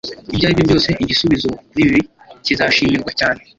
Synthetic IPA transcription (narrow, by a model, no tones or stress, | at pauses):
ibɟaːiβjobjo̞ːse̞ʔiɟisuβizoniβi | cizaʃimiɾɡwacaːne